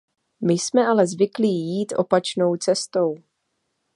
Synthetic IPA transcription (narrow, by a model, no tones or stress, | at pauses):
mɪsmɛʔalɛzvɪkliːjiːt̪ʔo̞̰pat͡ʃno̞wt͡sɛst̪o̞w